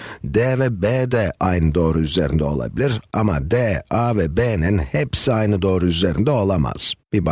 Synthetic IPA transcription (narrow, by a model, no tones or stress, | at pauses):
d̪evɛbed̪ɛʔajnɯd̪o̞ːɾuyze̞̰ɾind̪ɛo̞̰lˠa̰bilʲiɾa̰mad̪eavɛbeninhepsiajnɯd̪o̞ːɾuyze̞ɾind̪ɛo̞lˠama̰z̥b̥ib